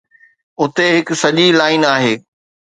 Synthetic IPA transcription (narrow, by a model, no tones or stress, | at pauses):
ʊt̪eɦɪkʊsɐʄilaːɪnaːɦeː